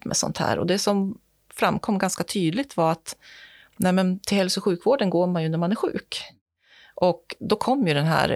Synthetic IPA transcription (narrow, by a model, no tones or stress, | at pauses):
mɛ̰sɔ̰nt̪hæ̰ːɾɔ̰d̪ɛsɔm | fɾamːkʰɔmːɡanskat̪ʰyːd̪lɪɡ̚t̪vaɾat̪ | nɛːmɛnt̪ʰɪlhɛlsɔɧʉ̟ːkvoːɖənɡoːɾmanjɵnæɾmanæɾɧʉ̟̰ːk | ʔɔkd̪ɔkʰɔmːjɵd̪ɛnɦæ̰ːɾ